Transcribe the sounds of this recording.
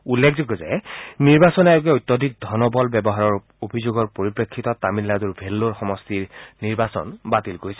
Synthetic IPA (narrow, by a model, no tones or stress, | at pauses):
ulːekʰzoɡɔzɛ̰niɹbasɔnajok̬ɛojt̪ːɔdʱik̚dʱɔnɔbɔlbɛbɔɦaɹɔɹ | obʱizoɡɔɹpoɹipɹekʰːitɔtamilːaduɹbʱelːoɹxɔmɔstiɹniɹbasɔ̰nbatilkoɹisɛ̥